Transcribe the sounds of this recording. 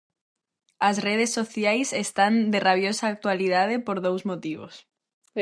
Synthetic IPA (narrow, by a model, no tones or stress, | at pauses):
asreð̞esːoθjajsest̪and̪eraβjosaːk̚t̪waliðað̞epoɾðowzmot̪iβo̰s